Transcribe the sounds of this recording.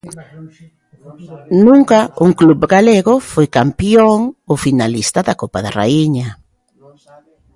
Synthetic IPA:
nũŋkauŋklubɡaleɣofojkampjoŋofinalist̪ɐðakopaða̰ra̰iɲa

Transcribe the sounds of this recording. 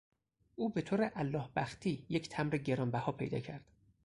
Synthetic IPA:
ʔuːbe̞t̪ʰoːɾeʔælːɒːhbæxt̪ʰiːjecʰt̪ʰæmɾeɟe̞ɾɒːnbæhɒːpʰe̞̰jd̪ɒ̰ːcʰæɾd̪̥

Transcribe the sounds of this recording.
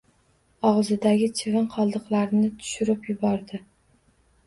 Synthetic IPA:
ɒʁzɪd̪aɡʲɪt͡ʃʰɪvɪnqʰɒlˠd̪ɨqlaɾnɪt̪ʰʊ̥ʃʊɾɪpjʊbɒɾd̪ɪ

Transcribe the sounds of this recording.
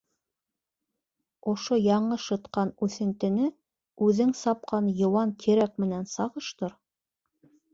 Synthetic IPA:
ŏʃojɑɴɤʃɤ̆t̪qɑnʉθɘ̆nt̪ɘ̆nɘ | ʉðɘŋsɑp̚qɑnjŏwɑŋkʰiɾæk̚mɘ̆nænsɑʁɤʃt̪ɤɾ

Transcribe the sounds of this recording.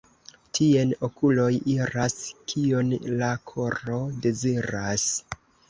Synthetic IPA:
tʰieno̞kulo̞jiɾaskʰionlakʰo̞ɾo̞de̞ziɾas

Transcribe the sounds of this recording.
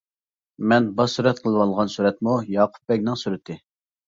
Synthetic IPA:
mɛnbɑsuɾɛt̪̚qʰəlˠɨwɑlˠʁɑnsuɾɛt̪mujɑːqʰʊ̥p̚bɛkʲnɪŋsuɾɪt̪ʰɪ

